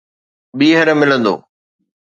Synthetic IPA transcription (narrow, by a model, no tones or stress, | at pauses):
ɓiːɦəɾmɪlə̃nd̪o̰ː